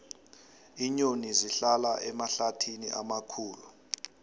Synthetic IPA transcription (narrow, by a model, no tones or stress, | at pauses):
iɲoniziɬalaʔɛmaɬatʰinḭʔamakʰuːlu